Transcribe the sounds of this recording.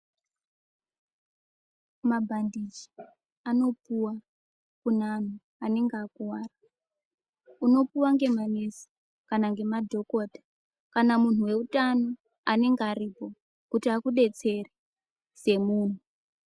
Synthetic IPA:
mabʱandid͡ʒi̥ | ano̞puwa | kunan̤u | ane̞ŋɡakuwaːra | uno̞puwaŋɡe̞manesi̥ | kanaŋɡe̞madʱo̞ko̞ːdʱḁ | kanamun̤uwe̞utano̞ | ane̞ŋɡaripo̞ | kutiakuɗe̞t͡se̞ri | se̞muːn̤u

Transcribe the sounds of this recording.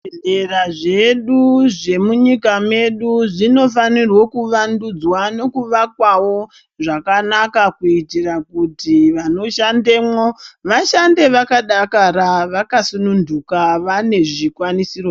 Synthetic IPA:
eraʐe̞ɗuʐe̞muɲikame̞ɗuʐino̞fanirwo̞kuʋandud͡zwano̞kuʋakwawo̞ | ʐakanakakuitirakutiʋano̞ʃande̞mwoʋaʃande̞ʋakaɗakaɾaʋakasunundukaʋane̞ʐikwanisiro

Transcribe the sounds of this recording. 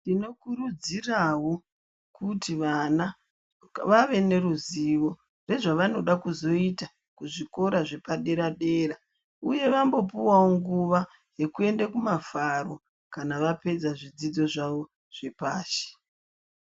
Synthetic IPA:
ndino̞kuɾud͡zirawo̞ | kutiʋana | ʋaʋe̞ne̞ɾuziʋo̞ | re̞ʐaʋano̞ɗakuzo̞ita | kuʐiko̞ɾaʐe̞paɗe̞ɾaɗe̞ːra | uje̞ʋambo̞p̬uwawoŋɡuʋa | je̞kue̞ndakumafaro̞ | kanaʋape̞d͡zaʐid͡zid͡zo̞ʐaʋo̞ | ʐ̥e̞paːʃe̥

